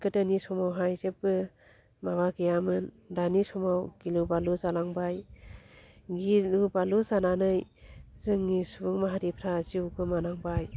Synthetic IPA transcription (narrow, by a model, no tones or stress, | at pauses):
kɯdanisɔmawɦajzep̚bɯ | mabaɡijamɯn | danisɔmawɡ̥ilubaluzalaŋbaj | ɡilubaluzananɯjzɯŋnisubɯŋmaɦaɾipʰɾaziuɡɯmanaŋbaj